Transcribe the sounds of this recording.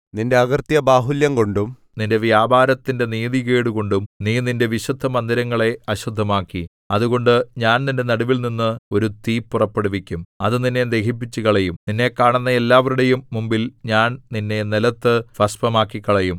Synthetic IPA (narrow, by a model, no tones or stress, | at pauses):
ninde̞ɐɣɐrt̪jɐbaːɦiljɐmko̞ɳɖum | ninde̞ʋjaːbaːɾɐt̪ːinde̞niːðiɣeːɽuko̞ɳɖumniːninde̞ʋiɕud̪ʱːɐmɐnd̪iɾɐŋːɐɭe̞ɐɕud̪ʱːɐmaːkːi | ɐðuɣo̞ɳɖɨɲaːnninde̞nɐɽuʋilninːɨo̞ɾut̪iːpːurɐpːeɽuʋikʲːumɐðɨninːe̞d̪e̞kʰip̬ːit͡ɕːuɣɐɭejumninːe̞kːaːɳunːɐe̞lːaːʋɐɾuɽe̞jumːumbilɲaːnninːe̞nilɐt̪ːɨfɐspɐmaːkːikːɐɭejum